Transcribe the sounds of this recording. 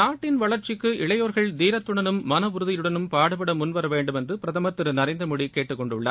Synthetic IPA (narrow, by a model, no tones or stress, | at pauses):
naːʈːɪnʋɐɭɐɾt͡ʃɪkːɯʔɪɭɐjoːɾɣɐɭd̪iːɾɐt̪ːʊɳɐnɯmːɐnɐʋʊɾɯðɪjɯɽɐnɯmpaːɽɐpːɐɽɐmʊnʋɐɾɐʋeːɳɖɯmɛndrɯpɪɾɐðɐmɐt̪ːɪɾɯnɐɾɐɪnd̪ɾɐmʊɽikeːʈːɯkːɔɳɖɯɭːɐ̰